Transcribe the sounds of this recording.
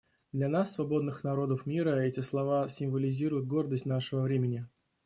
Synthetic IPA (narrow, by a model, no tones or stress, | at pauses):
d̪lʲanasːvɐbo̞d̪nɨxnɐɾo̞d̪əfmʲiɾəɛtʲɪslˠɐvasʲɪmvəlʲɪzʲiɾʊjʊt̪̚ɡo̞rd̪əsʲtʲnaʂəvəvɾʲemʲɪnʲɪ